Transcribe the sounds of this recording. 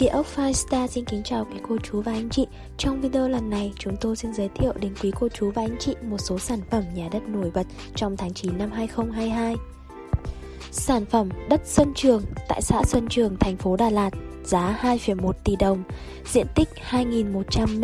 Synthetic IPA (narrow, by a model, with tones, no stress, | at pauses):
kḭ˧˩əʔə˦˥wk̚faː˧jst̪aː˧si˧nki˨˦ŋt͡ɕaː˨˩wkwi˨˦ko˧t͡ɕu˨˦vaː˨˩ʔa˧jŋ̟t͡ɕḭ˧˨ | t͡ɕɔ˧wŋ͡mvi˧ɗo˧lə˨˩nːa˨˩jt͡ɕʊ˨˦ŋ͡mt̪o˧jsi˧nzəː˨˦jt̪ʰḭ˧˨əwɗe˨˦nkwi˨˦ko˧t͡ɕu˨˦vaː˨˩ʔa˧jŋ̟t͡ɕḭ˧˨mo˨˩t̚so˨˦saː˧˩nfə˧˩mɲaː˨˩ɗə˦˥t̚no˧˩jɓə˨˩t̚ | t͡ɕɔ˧wŋ͡mt̪ʰaː˨˦ŋt͡ɕi˨˦nːa˧mɦaː˧jxə˧wŋ͡mɦaː˧jɦaː˧j | saː˧˩nfə˧˩mɗə˦˥t̚sə˧nt͡ɕɨ˨˩əŋt̪a̰ː˧˨jsa̰ː˧˥sə˧nt͡ɕɨ˨˩əŋt̪ʰa˨˩jŋ̟fo˨˦ɗaː˨˩laː˨˩t̚ | z̥aː˨˦haː˧jfi˨˩əmo˨˩t̚t̪i˨˩ɗə˨˩wŋ͡m | zḭ˧˥ənt̪ï˦˥k̟̚haː˧jŋi˨˩nmo˨˩t̚t͡ɕa˧m